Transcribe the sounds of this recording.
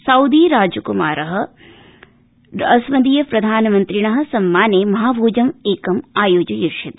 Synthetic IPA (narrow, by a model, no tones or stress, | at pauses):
sɐwd̪iːɾaːd͡ʒukumaːɾɐɦɐ̆ | ɐsʋɐd̪iːjɐpɾɐd̪ʱaːnɐmɐnt̪ɾiɳɐɦɐ̆sɐmːaːneːmɐɦaːbʱuːd͡ʒɐmeːkɐmaːjoːd͡ʒɐjuɾʃit̪